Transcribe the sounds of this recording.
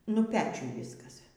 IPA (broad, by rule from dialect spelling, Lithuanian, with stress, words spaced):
nʊ ˈpʲæːt͡ʃʲʊj ˈʋʲiːskɐs